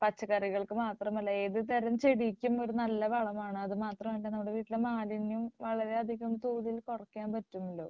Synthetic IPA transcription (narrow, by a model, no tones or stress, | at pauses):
pɐt͡ɕːɐɣɐriɣɐɭkɨmaːt̪rɐmɐlːɐeːðɨt̪ɐɾɐmt͡ɕeɽikʲːumo̞ɾunɐlːɐʋɐɭɐmaːɳɨɐðɨmaːt̪rɐmeːɳɖenɐmːuɽe̞ʋiːʈːilemaːlinjumʋɐɭɐɾe̞ɐd̪ʱiɣɐmt̪uːðilkorɐkːijaːnpɐtːumːɐlːo̞ː